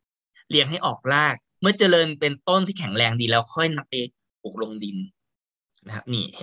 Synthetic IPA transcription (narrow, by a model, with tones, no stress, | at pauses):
li˧əŋɦa˥˩jʔɔː˨˩k̚laː˥˩k̚ | mɯ˥˩ɐt͡ɕa˧lɤː˧npe˧nt̪o˥˩nt̪ʰiː˥˩kʰɛ˩˦ŋlɛː˧ŋdiː˧lɛː˦˥wkʰɔ˥˩jna˦˥pːa˧j | pʰuː˨˩k̚lo˧ŋdi˧n | na˦˥kʰa˦˥p̚niː˧˩